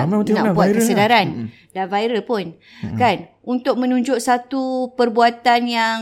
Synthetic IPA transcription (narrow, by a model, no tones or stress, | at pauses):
amaət̪inabuatkksədaɾan | danvaiɾəlpʊn | kan | unt̪ʊk̚mə̃nũɲd͡ʒʊʔsat̪upərbuat̪anjaŋ